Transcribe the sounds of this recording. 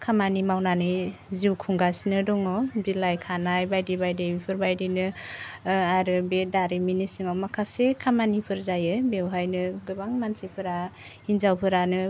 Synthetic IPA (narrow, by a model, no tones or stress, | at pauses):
kʰamanimawnanɯjziwkʰuŋɡasinɯdɔŋɔbilajkʰanajbajdibajdejbipʰɯɾbajdɯnɯ | aɾɯbedaɾiminisɯŋawmakʰasekʰamanipʰɯɾzajɯbewɦajnɯɡɯbaŋmansipʰɯɾa | hinzawpʰɯɾanɯ